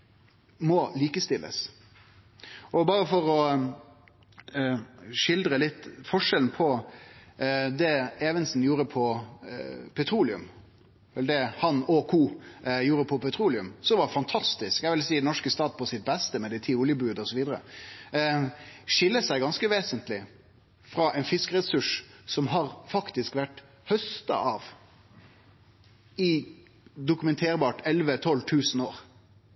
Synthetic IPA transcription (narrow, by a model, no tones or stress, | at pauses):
mɔliːkəst̪ɪlːə̰s | ʔɔbɑːɾəfɔɾɔ | ʂɪld̪ɾəlɪt̪ːfɔʂɛln̩pʰɔ | d̪ɛɛːʋənsn̩juːɾəpʰɔ | pʰɛt̪ʰɾuːlɪʉ̰m | ɛld̪ɛhɑnɔkʰuːjuːɾəpʰɔpɛt̪ʰɾuːlɪʉ̰msɔʋɑfɑnt̪ʰɑst̪ɪskæɪʋɪlsiːɛnɔʂkəst̪ɑːd̪pʰɔsɪt̪̚bɛst̪əmɛd̪æɪt̪ʰiːʊljəbʉːd̪ɔsɔʋiːd̪əɾə̰ | ʂɪlːəsæɪɡɑnskəʋeːsənt̪lɪ | fɾɑʔɛɪnfɪskəɾɛsʉʂsɔmɦɑɾfɑkt̪ɪskʋæʈː | hœst̪ɑ̰ʔɑːʋ | ɪ | d̪ʊkʉmɛnt̪ʰeːɾbɑːʈɛlʋət̪ʰɔlt̪ʰʉːsən̩oːɾ